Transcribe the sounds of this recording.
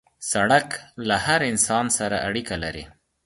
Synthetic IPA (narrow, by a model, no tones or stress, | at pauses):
saɽaklahaɾɪnsɑnsaɾa̰ʔaɽikalaɾi